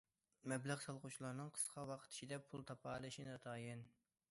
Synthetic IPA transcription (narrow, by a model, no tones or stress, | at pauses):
mɛblæʁsɑlˠʁʊt͡ʃʰilˠɑɾnɨŋqʰə̥sqʰɑwɑqʰə̥t̪ʰi̥ʃid̪ɛpʰulˠt̪ʰɑpʰɑlˠɨʃinɑt̪ʰɑːjɪn